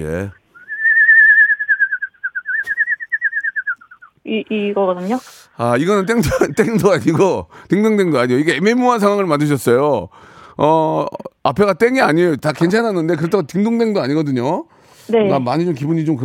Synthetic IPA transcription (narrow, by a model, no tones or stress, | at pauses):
ḛ | iiɡʌɡʌdɯɲo | aiɡʌnɯnt̬͈eŋdt͈eŋdoaɲiɡotɯŋdɯŋde̞ŋdoaɲijoiɡe̞ememuans̬ʰaŋɦwaŋɯɭmandɯɕ̬ʰʌts͈ʌjo | ʌapʰe̞ɡat͈eŋiaɲijotake̞nt͡ɕʰanɦanːɯnde̞k̬ɯɾetʰaɡatɯŋdoŋdwe̞ŋdoaɲiɡʌdɯɲo | nenamaɲit͡ɕomkibuɲit͡ɕomkɯ